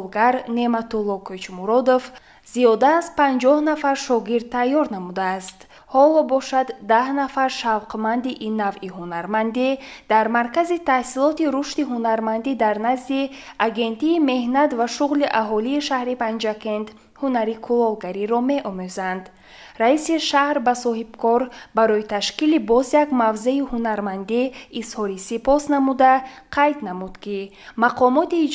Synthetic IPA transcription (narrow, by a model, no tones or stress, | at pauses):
lɡaɾne̞mat̪olˠːɔkʰøt͡ʃmuɾɔd̪of | zijɔd̪aːzpãnd͡ʒɔhnafaɾʃɔɡiɾd̪̚t̪ʰːajːɔɾnamud̪aːst̪ | hɔlɔbɔʃad̪ːahnafaɾʃavqmand̪iʔinːavihunaɾmand̪id̪̥aɾmaɾkazit̪ʰahsilɔt̪iɾuʃt̪iɦunaɾmand̪id̪aɾnazd̪i | aɡe̞nt̪iːme̞hnat̪vaʃuʁliʔaɦɔliːʃahɾipand͡ʒake̞nt̪ | hunaɾikʰulɔlˠɡaɾiɾɔme̞ʔɔmøzand̪ | raisiʃahɾbasɔhib̥̚kʰɔɾbaɾɔjit̪ʰaʃkilibɔzjakmavze̞ihunaɾmand̪iːshɔɾisipɔsnamud̪aqʰajd̪namud̪̥ki | maqʰɔmɔt̪iːd͡ʒ